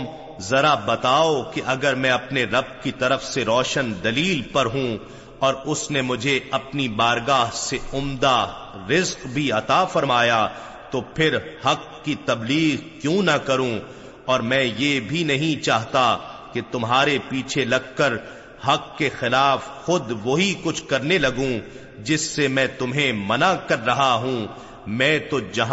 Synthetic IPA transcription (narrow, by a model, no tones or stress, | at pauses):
m | zɐɾabɐt̪aːokeʔɐɡəɾmɛ̃ɐpneɾɐb̚kit̪ɐɾəfseɾɔːʃənd̪ɐliːlpɐɾɦũ | ɔːɾʊsnemʊd͡ʒʱeɐpnibaːɾɡaːɦseʊmd̪a | ɾɪzqbʱiɐt̪aːfɐɾmaːja | t̪opʰɪɾhɐqːit̪ɐbliːɣkjũːnɐkɐɾũ | ɔːɾmɛ̃ːjebʱinɐɦĩt͡ʃaːɦt̪aket̪ʊmɦaːɾepiːt͡ʃʰelɐɡ̚kɐɾ | hɐkːexɪlaːfxʊd̪ʋoɦikʊt͡ʃʰkɐɾnelɐɡũ | d͡ʒɪsːemɛ̃ːt̪ʊmɦẽmɐnakɐɾːɐɦaɦũ | mɛ̃ːt̪od͡ʒɐɦ